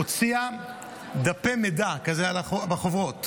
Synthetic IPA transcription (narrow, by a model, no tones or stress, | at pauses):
ot͡sia | d̪apemedakazealaobaχovʁot